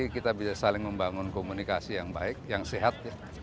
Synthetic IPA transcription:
ikit̪abisasalɪŋməmbaŋʊnkomunikasijaŋba̰ɪk̚jaŋseɦat̪̚ɲa

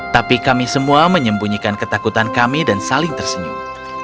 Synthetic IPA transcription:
t̪apikamisəmuaməɲəmbuɲikankət̪akut̪ankamidansalɪŋt̪ərsənḭ

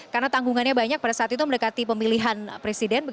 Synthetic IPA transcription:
karnat̪aŋɡuŋanɲabaɲak̚padasaːt̪it̪uməndəkat̪ipəmiliɦanpɾesidɛnbəɡ

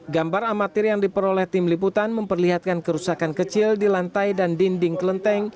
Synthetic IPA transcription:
ɡambaɾamat̪ɪrjaŋdipəɾolɛht̪ɪmlip̬ut̪anməmpərliɦat̪̚kankəɾusakankət͡ʃɪldilant̪ajdandindɪŋkələnt̪ɛŋ

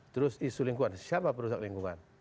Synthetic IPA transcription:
t̪əɾʊsisuliŋkuansjapapəɾusak̚liŋkuŋan

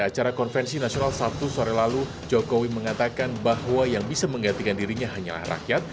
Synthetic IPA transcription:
at͡ʃaɾakɔnfɛnsinasionalsat̪usoɾɛlalu | d͡ʒokowiməŋat̪akanbahwajaŋbisaməŋɡant̪ikandiɾiɲaɦaɲa̰la̰hra̰kjat̪̚

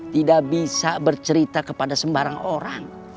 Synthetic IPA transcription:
t̪idaʔbisabərt͡ʃəɾit̪akəpadasəmbaɾaŋoɾaŋ

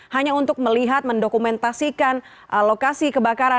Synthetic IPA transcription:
haɲaunt̪ʊk̚məliɦat̪̚məndokumɛnt̪asikan | ʔəlokasikəbakaɾa

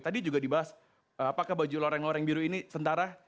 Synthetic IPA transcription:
t̪adid͡ʒuɡadibaɦas | apakahbad͡ʒuloɾɛŋloɾɛŋbiɾuinisənt̪aɾa

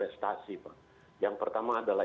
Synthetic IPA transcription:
ɛst̪asipa | jaŋpərt̪amaːdalah

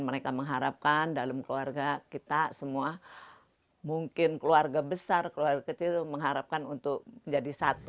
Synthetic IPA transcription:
nməɾekaməŋɦaɾap̚kandalamkəluarɡakit̪asəmua | muŋkɪnkəluarɡabəsarkəluarɡakət͡ʃilməŋɦaɾap̚kanunt̪ʊk̚məɲd͡ʒadisat̪

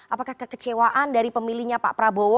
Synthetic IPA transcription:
ʔapakahkəkət͡ʃewaʔandaɾipəmilihɲapa̰ʔpɾabow

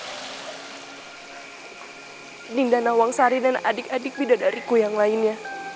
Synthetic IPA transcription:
nindanawaŋsaɾidanadɪkadɪk̚bidadaɾikujaŋlaɪnɲa

